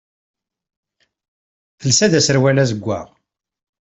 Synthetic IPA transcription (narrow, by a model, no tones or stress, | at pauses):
θəlsæd̪æsəɾwælæzəɡʷːa̰ʁ